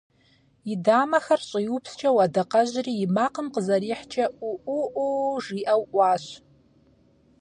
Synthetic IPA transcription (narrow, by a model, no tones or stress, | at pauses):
idamaxart͡ʃʷʼajupʰst͡ʃʰawadaqʼaʒʷriːmaqʼəmqʼəzaɾiħt͡ʃʰauʔuʔuʐiʔawʔʷaʃʷ